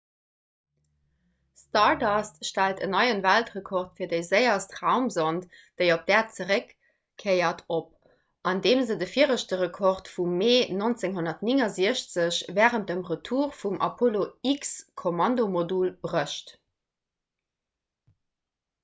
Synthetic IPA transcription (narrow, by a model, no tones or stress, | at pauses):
stɑɹdɑsʃtæltə̰nɑɪənvæltʁəkʰɔʁtfiɐdəɪzəɪɐstʁæʊmzontd̥əɪop̚d̥æːt̚t͡səʁəkʰː | əɪɐtʰop̚ | ʔɑndeːmzədəfiːəʁəɕtəʁəkʰɔʁtfumːeːnont͡seŋɦonɐtniŋɑziəɕt͡səɕvæːʁənt̚dəmʁətʰuːʁfumʔɑ̰pʰoloikskʰomɑndomodulb̥ʁəʃt